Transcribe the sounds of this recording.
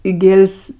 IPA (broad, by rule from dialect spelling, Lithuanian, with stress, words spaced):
ɪ ˈɡʲeːlʲsʲ